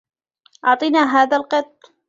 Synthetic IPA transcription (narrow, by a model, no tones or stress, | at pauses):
ʔɑʕt̪ˤɨnaːɦaːðalqɑt̪ˤː